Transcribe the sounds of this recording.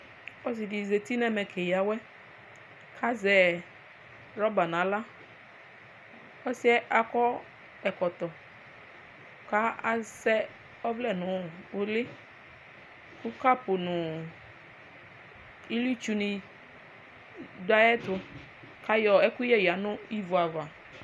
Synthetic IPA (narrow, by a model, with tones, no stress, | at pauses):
ɔ˦si˨di˨ze˨t̪i˦nɛ˦mɛ˨kʰe˨ja˨wɛ˦ | kʰa˦zɛ˨ | ɾɔ˦ba˨nã˨˦la˦ | ɔ˦si˦ɛ˦ʔa˨kɔ˦ | ɛ˨kɔ˨t̪ɔ˨ | ka˦a˨sɛ˦ | ɔ˦vlɛ˦˨nʊ̃˨˦˨o˦lɪ˦ | kʊ˦ka˦pʊ˨nʊ̃˨ | i˦li˦t͡ʃu˦nĩ˨ | da˦ɛ˦t̪ʊ˨ | ka˦jɔ˨ɛ˦kʊ˦jɛ˦ja˨nʊ̃˦i˦vu˨a˨va˨